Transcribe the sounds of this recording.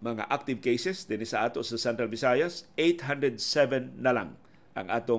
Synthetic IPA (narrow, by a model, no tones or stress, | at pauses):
mɐŋa̰ʔak̚t̪ɪvkejsɛsd̪ɪnɪsaʔaːt̪oʔsasɛnt̪ɾalbɪsajasejt̪ɦand̪ɾɛd̪̚sɛvɛnːɐla̰ŋ | ʔɐ̰ŋʔa̰ːt̪o